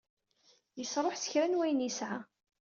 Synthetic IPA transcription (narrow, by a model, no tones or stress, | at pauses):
jəsɾˤoħsə̥çɾænwæjnisʕa